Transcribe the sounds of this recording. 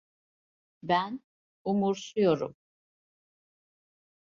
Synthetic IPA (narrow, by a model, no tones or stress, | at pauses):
bæn | umuɾsujoɾṵm